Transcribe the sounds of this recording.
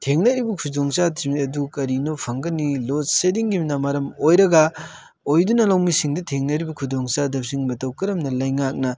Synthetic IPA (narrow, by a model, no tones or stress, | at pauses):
tʰeŋnɐɾibukʰudoŋsatimiɐdukɐɾinopʰɐŋɡɐnilosediŋɡimnamaɾɐmojɾɐɡɐ | ojdunɐlɐwmisiŋdɐtʰeŋnɐɾibɐkʰudoŋsadɐp̚siŋmɐtɐwkɐɾɐmnɐlɐjŋak̚nɐ